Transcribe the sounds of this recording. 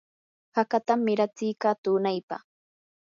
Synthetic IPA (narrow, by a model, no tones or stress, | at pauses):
hakat̪amːɪɾat͡sɪjkaːt̪ʊːnajpa̰χ